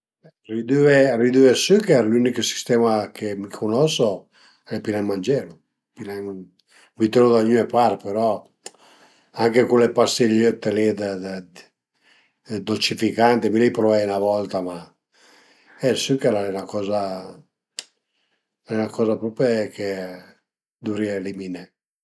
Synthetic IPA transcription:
ɛ | rid̪yerid̪yesykɛɾlyniksi̥st̪ɛmakemikʰonɔso | ɛlepinamand͡ʒɛɾu | pinaŋ | mit̪eɾod̪aɲyɛpaɾpeɾɔ | aŋkekulepast̪eʎøt̪ːelid̪ | d̪olt͡ʃifikant̪emilɛjpɾɔvɛjnavɔlt̪ama | ɛsykɛɾaɛnakɔːza | ɛnakɔzapɾɔpeke | d̪uɾialimine

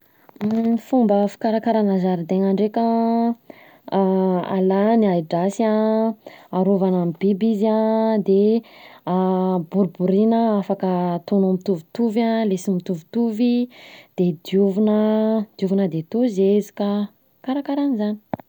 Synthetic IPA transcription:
fumbəfi̥kaɾakaɾanazaɾid̪eŋaɳɖ͡ʐekʲa | a̰laniajɖ͡ʐasia | aɾovanamibibiziãd̪e | buɾubuɾinəafakət̪onomit̪uvit̪uvãlesimit̪uvi̥t̪uvid̪̥ed̪iuvunəd̪̥juvinəd̪et̪uzezi̥ka | kaɾakaɾanizani̥

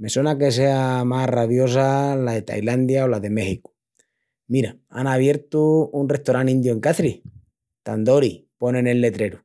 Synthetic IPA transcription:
me̞swenake̞s̬e̞amaraβjo̞s̬alaðe̞t̪a̰jland̪jaolaðe̞me̞xiku̥ | miɾaa̰naβ̞je̞ɾt̪uunreht̪oɾanĩnd̪jue̞ŋkaθɾi | t̪and̪o̞ɾipo̞ne̞ne̞lːe̞t̪ɾe̞ɾu

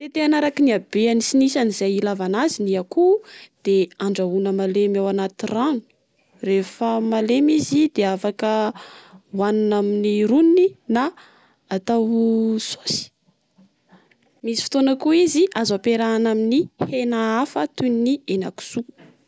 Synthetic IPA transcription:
t̪et̪eanaɾakiniabeanisinisanizajilavanaziniakud̪̥eaɳɖ͡ʐaunəmalemawanat̪iran̥u̥ | refəmalemizid̪eafakə | wananaminiɾunninaː | t̪awso̥si̥ | misifi̥t̪onakuiziazapeɾaːnaminihenaafət̪uninienaku̥suu̥

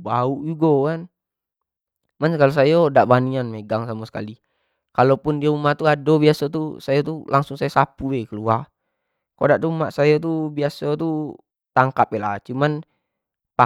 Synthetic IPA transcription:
bauʔjuɡɔkan | manskalus̬ajodaʔbanianmeɡaŋsamusə̥ka̰li | kalopundiaumat̪uadobiasɔt̪usajat̪ulaŋsuŋsajasapuwɛkəluar | kodaʔt̪uumaʔsajat̪̬ubiasat̪u | t̪aŋkapɛla̰t͡ʃuman | pa

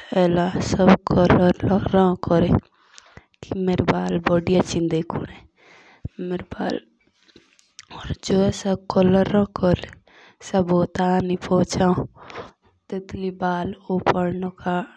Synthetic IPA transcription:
ɛːlãsəbkʰɔləɾːɔ̃kɔɾe | kimeɾbaːlbɔɖijat͡ʃind̪ekʰune | meɾba̰ːl | ɔːɾd͡ʒoːɛsakɔləɾːɔ̃kɔɾe | səbot̪anipʰɔːt͡ʃaːõ | t̪ɪt̪libaːlopəɽnoka

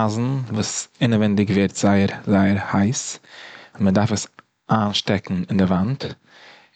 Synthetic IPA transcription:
aːzn̩vuːsɪnəvɛndɪɡvɛɾtz̥aɪəɾzaɪəɾhaɪs | ʊnmədaɾfəs | aːnʃtɛkŋ̩ɪndɪvant

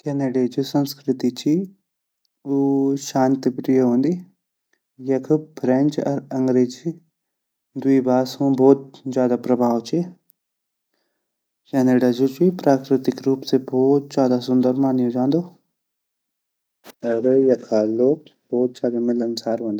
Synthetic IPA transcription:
kɛːneɖed͡ʒusɐ̃nskɾɪt̪it͡ʃʰi | uʃaːnt̪ipɾɪjəɦõːnd̪i | jɐkʰpʰɾẽnt͡ʃɐ̰ɾɐ̃ŋɡɾeːd͡ʒʰi | d̪uibaːsõːbɔːt̪̚d͡ʒjaːd̪apɾɐbʱaːʋt͡ʃʰe | kɛːneɖad͡ʒud͡ʒipɾaːkɾɪt̪ɪkɾuːpsebʱɔːt̪̚d͡ʒjaːd̪asʊ̃nd̪əɾmaːnjõd͡ʒãːnd̪oː | ɐɾjɐkʰaːloːk̚ | bɔːt̪̚d͡ʒaːd̪amɪlɐnsaːɾɦõːnd̪a

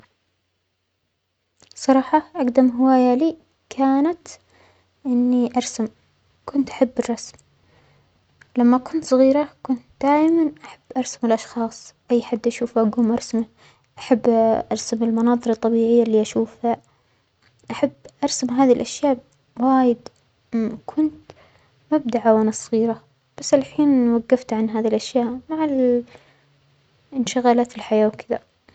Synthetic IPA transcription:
sˤɑɾˤɑːħɑʔɑqd̪amɦɪwaːjaliː | kʰaːnat̪ | ʔɪnːiʔɑɾˤsam | kʊnt̪ʔḁħabːɪrˤːɑsm | lamːakʊnt̪sˤɑɣiːɾakʊnt̪̚d̪̥aːʔmanʔaħabːʔɑɾˤsamɪlʔɑʃxɑːsˤʔajːħad̪ːʔaʃuːfaɡuːmʔɑɾˤsma | ʔaħabːʔɑɾˤsamɪlmɑnɑːðˤɨɾɑt̪ˤːɑbiːʕɪjːalːiːʔaʃuːfa | ʔaħabːʔɑɾˤsamɦaːðilʔaʃjaːʔ | waːjɪd̪ | kʰʊnt̪ | mab̚d̪aʕawʔanasˤɣiːɾa | b̥asːlħiːnwaɡːaft̪ʕanɦaːðilʔaʃjaːʔmaʕal | ɪnʃɪɣaːlaːt̪ɪlħajaːwkɪða̰

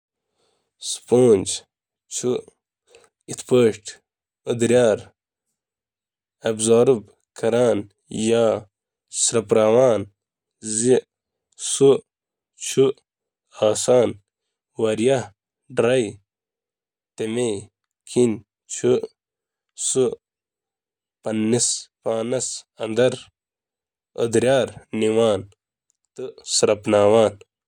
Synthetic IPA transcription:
spoːnd͡ʑ | t͡ʃʰu | it̪pəːʂʈ | ud̪ɾjaːɾ | ɐbzaːɾub | kɐɾaːn | jaː | sɾɐpɾaːwaːn | zi | su | t͡ʃʰu | aːsaːn | wɐɾjɐ | ɖɾɐj | t̪eme | kʰin | t͡ʃʰu | su | pɐnːispaːnɐsɐnd̪ɐɾ | ə̰d̪ɾjaːɾniwaːn | t̪ɨsɾɐpnaːwaːn

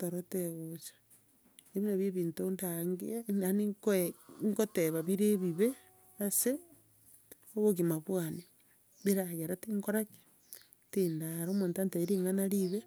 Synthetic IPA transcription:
toɾoteɣot͡ʃḁ | neβinaβjeβiːntondaŋɡḭanikŋkoteβaβiɾeβiβe | ase | oβoɣimaβwani | βiɾaɣeɾatiŋkoɾake̥ | tindaɾomoːntantaiɾiŋanaɾiβe

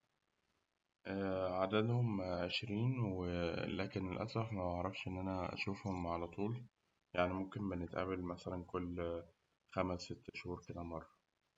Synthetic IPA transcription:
ʔæːʕad̪æd̪homʕeʃɾiːnwelæːkenelʔæ̰sˤɾˤɑħmæɑʕɾˤɑfʃʔenːʔænæʔæ̰ʃuːfhomʕalæt̪ˤuːl | jaʕnimomkenbenet̪ʔæ̰belmæsælænkolː | xæmæsːet̪ːʃhuːɾˤkælæmɑrˤːɑ

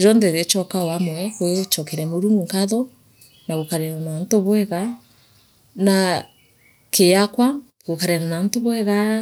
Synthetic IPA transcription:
ɾɔndɛɾet͡ʃɔkaoamɔkwet͡ʃɔkɛɾɛmoɾuŋɡuŋkaðɔ | naɣokaɾɛɾanantoβwɛɣa | na | keakwa | ɣokaɾɛɾanantoβwɛɣa

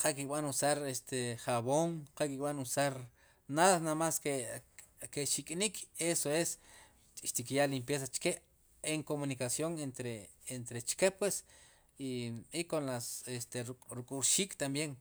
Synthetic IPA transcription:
qʰakikʼɓanusaɾest̪ʰeχaβoŋqakikʼɓanusaɾ | nasnamaske | keʃikʼnikʰesoes | ʃt̪ikjaʔlimpjes̬at͡ʃkeʔ | eŋkomunikasjoŋent̪ɾeent̪ɾet͡ʃkepwes | iikonlasest̪eɾɾukʼuɾʃiːkʼt̪ambjeŋ

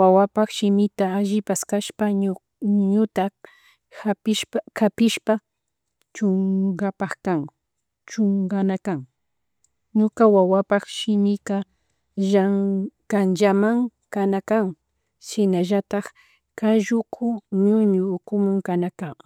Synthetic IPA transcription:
wawapaχʃɪmɪt̪aːʒɪpaskaʃpa | ɲʊt̪a | apɪʃkapɪʃpa | t͡ʃoŋɡapɑχkaŋ | t͡ʃoŋɡanakaŋ | ɲʊkawawapɑχʃɪmɪka | ʒaŋkand͡ʒamaŋkanakaŋ | sɪnaʒat̪ɑχ | kaʒʊkʰʊɲʊɲʊːkʊmʊŋkanakaŋ

